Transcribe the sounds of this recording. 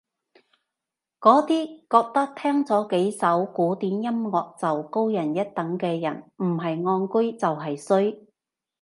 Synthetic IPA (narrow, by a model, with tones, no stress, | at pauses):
kɔː˨˥t̪iː˥kɔː˧k̚t̪ɐ˥k̚t̪ʰɛː˥ŋt͡sɔː˨˥ke˨˥jsɐ˨˥wkuː˨˥t̪iː˨˥njɐ˥mŋɔː˧k̚t͡sɐ˨wko˥wjɐ˨˩njɐ˥t̚t̪ɐ˨˥ŋkɛː˧jɐ̰˨˩nm̩˨˩ɦɐ˨jŋɔː˧nkɵ˥ɥt͡sɐ˨wɦɐ˨jsɵ˥ɥ